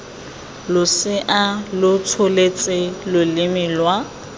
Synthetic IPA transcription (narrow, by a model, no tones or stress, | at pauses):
lʊsɪʔalʊtʰolet͡sʼɪlʊlɪmilwa